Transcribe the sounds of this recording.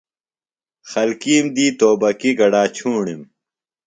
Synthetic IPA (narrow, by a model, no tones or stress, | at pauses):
xɐlkiːmd̪iːt̪oːbɐkiɡɐɽaːt͡ɕʰuːɳim